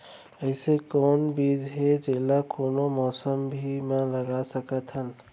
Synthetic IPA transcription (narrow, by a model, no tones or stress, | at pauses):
əɪsekɔːnbiːd͡ʒɦed͡ʒeːlakoːnomɔːsəmbʱimãləɡasəkət̪ɦən